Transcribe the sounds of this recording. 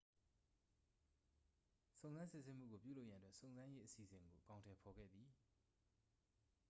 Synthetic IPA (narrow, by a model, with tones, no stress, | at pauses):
sõ˨zã˦nsɪ˦˨se˦m̥ṵ˦˨ɡo˨pjṵ˦˨lo˦ʊjã˦˨ətwɛ˦ʔsõ˨ʊ̃nzã˦je˦ʔəsi˨sɪ̃˨ŋɡo˨ʔəkã˨ʊ̃ntʰɛ˨pʰɔ˨ɡɛ̰˦˨d̪ði˨